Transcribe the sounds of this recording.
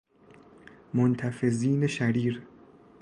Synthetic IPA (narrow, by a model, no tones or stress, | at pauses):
mont̪ʰæfe̞ziːneʃæɾiːɾ